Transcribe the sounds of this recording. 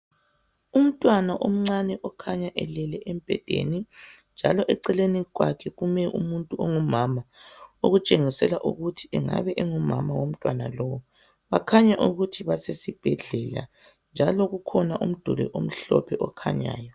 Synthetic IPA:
um̩tʼwanaʔom̩ŋ͡ǀanɛʔɔkʰaɲaʔɛlɛlɛʔem̩b̥ʱɛ̰d̥ʱḛni | nd͡ʒʱa̰lɔʔɛǀɛleniɣwakʰɛɣumɛʔṵmuntʼuoŋumamao̰ɣut͡ʃʼeŋisɛlaʔṵɣutʰi̥ʔɛŋa̰βɛʔɛŋumamawom̩tʼwana̰lɔwɔ | βakʰaɲaʔuɣutʰiβasesib̥ʱɛɮɛla̰ | nd͡ʒʱalɔɣukʰɔnaʔum̩d̥ʱulɛ̰ʔom̩ɬɔ̰pʰɛʔɔkʰa̰ɲa̰ːjɔ

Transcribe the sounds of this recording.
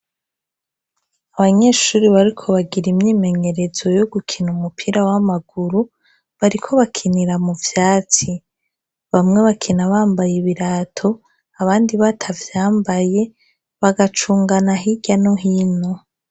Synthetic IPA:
aβaɲeːʃuːɾiβaɾikʰo̞βaɡiɾimɲiːme̞ɲe̞ɾe̞zo̞joɡukʰinumupʰiɾawamaɡ̥uɾu | βaɾikʰo̞βakʰiniɾamuvjaːt͡si | βamŋe̞βakʰinaβaːmbajeβiɾaːtʰo̞ | aβaːndiβatʰavjaːmbaje̞ | βaɡat͡ʃuːŋɡanaɦiɟanoɦiːno̞

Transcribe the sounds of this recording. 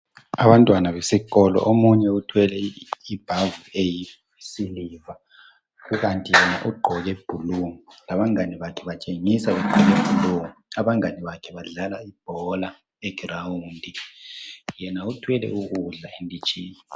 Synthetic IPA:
aβantʼwanaβesiɣɔlɔ̰ʔomuɲɛutʰwɛlɛib̥ʱavueji | siliva | ɣuɣantʼijɛnaʔuɡ͡ǃʱɔɣɛb̥ʱuluŋilaβaŋaniβakʰɛβat͡ʃʼeŋisaβɛɡ͡ǃʱɔɣebʱuluŋiaβaŋaniβakʰɛβaɮalaib̥ʱɔla | ɛɡ̥ʱrawundʱi | jɛnautʰwɛlɛ̰uɣuɮaendʼʱit͡ʃʼiːɲi

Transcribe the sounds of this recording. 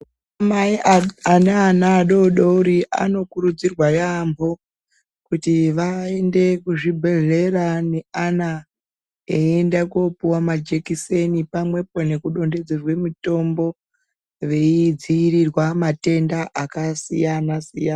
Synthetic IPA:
amaianeanaːɗo̞ɗouɾiʔa̰no̞kuɾud͡zirwajambo̞ | kutiʋaende̞kuʐibʱe̞ɮe̞rane̞ana | eendakopuwamad͡ʒekise̞nipamwe̞po̞ne̞kuɗo̞nde̞d͡zerwe̞mito̞mbo̞ | ʋe̞id͡ziːɾirwamate̞ndaʔakasijanasijana

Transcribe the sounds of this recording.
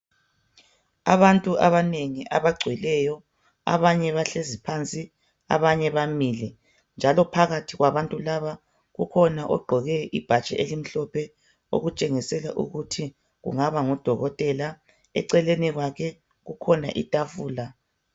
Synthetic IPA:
aβantʼuaβaneŋiʔa̰βaɡ͡ǀʱwɛlɛjɔ | a̰βaɲɛβaɬezipʰant͡sʼi | a̰βaɲɛβamilɛ | nd͡ʒʱalɔpʰaɣatʰiɣwaβantʼulaβa | ɣukʰɔnaʔɔɡ͡ǃʱɔɣɛʔib̥ʱat͡ʃʼɛ̰elim̩ɬɔpʰɛ | o̰ɣut͡ʃʼeŋisɛlaʔṵɣutʰi | ɣṵŋaβaŋɔd̥ʱɔɣɔtʼɛla | ɛ̰ǀɛleniɣwakʰɛ | ɣukʰɔna̰ʔitʼafuːla

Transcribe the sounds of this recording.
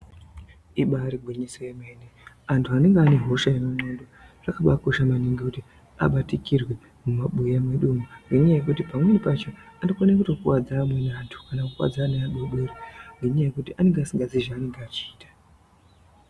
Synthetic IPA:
iɓaɾiɡʱwiɲisojeme̞ːne | antʰuane̞ŋɡeane̞ɦo̞ʃajemamondorakaɓako̞ʃamaniŋɡekuti | a̰ɓatikirwe | mumaɓujamweɗumuneɲajekutipamwenipat͡ʃo̞anokonek̬uto̞kuwad͡zaːmwe̞nantʰu̥kanakuwa̰d͡zaːneaɗoɓeriŋɡeɲajekutiʔane̞ŋɡeasiŋɡad͡ziʒaːneŋɡeaːt͡ʃiːtḁ

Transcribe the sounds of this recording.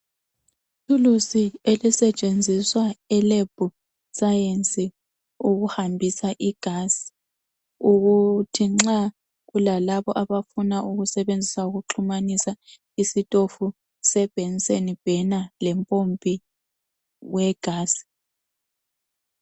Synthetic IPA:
tʰulusielisɛt͡ʃʼend͡zʱiswaɛleb̥ʱu | sajensʼi | uɣuhambʱisaʔiɡ̥ʱasi̥ | uɣutʰiŋ͡ǁa | ɣulalaβɔʔaβafunaʔuɣusɛβend͡zʱisauɣuǁʰumanisa | isitʼofu | sɛb̥ʱɛnsʼenib̥ʱɛnalɛmpʼompʼi | wɛɡ̥ʱaːsi̥

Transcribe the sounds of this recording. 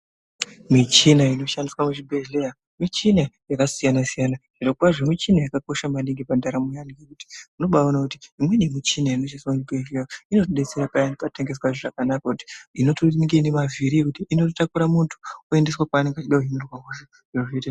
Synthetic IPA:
mit͡ʃinaino̞ʃandiswamut͡ʃibʱeɮleja | mit͡ʃinajakasijanasijanaʐ̥inokwaʐomit͡ʃinajakako̞ʃamaniŋɡipandaɾamujanikekuti̥uno̞ɓaonakutiimwe̞nemit͡ʃinaino̞ʃaniswamuibʱeʒlejaino̞toɗet͡seɾapaanpateŋɡe̞s̬waʐoʐakanakakuti̥ino̞toŋɡeinemaviɾiekutiʔinotakuɾamuntʰu̥ue̞ndeswakaːne̞ŋɡat͡ʃiɗauɦinurwaɦoʐo | oete

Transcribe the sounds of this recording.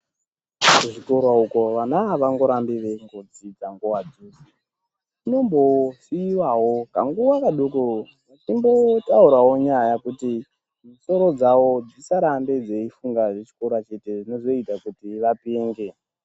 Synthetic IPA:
kuʐiko̞ɾwauko̞ʋanaaʋaŋɡo̞ɾambiʋeŋɡod͡zid͡zaŋɡuwad͡zusi | ino̞mbo̞siwaɦo̞ka̰ŋɡuwakaɗuko | timbo̞tauɾaɦo̞ɲajakuti | niso̞ɾo̞d͡zawo̞d͡zisaɾamde̞d͡ze̞ifuŋɡaʐet͡ʃi̥koɾwat͡ʃe̞te̞ʐino̞zo̞itakutiʋapeːŋɡe̞

